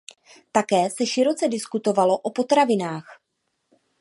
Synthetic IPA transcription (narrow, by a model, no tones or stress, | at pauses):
t̪akɛːsɛʃɪɾo̞t͡sɛdɪskut̪o̞valo̞ʔo̞po̞t̪ɾavɪnaːx